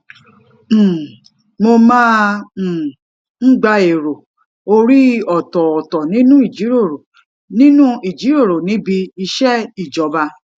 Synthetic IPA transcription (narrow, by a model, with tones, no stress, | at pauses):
mo˧mãː˦˨ | ŋ̩˦ɡ͡ba˧e˨ɾo˨ | o˧ɾi˦ɔ˨tɔ˨ɔ˨tɔ˨nĩ˦nũ˦i˦˨d͡ʒi˨˦ɾo˦˨ɾo˨ | nĩ˦nũ˦i˨d͡ʒi˨˦ɾo˦˨ɾo˨nĩ˨˦bi˧i˧ʃɛ˦i˦˨d͡ʒɔ˨˦ba˧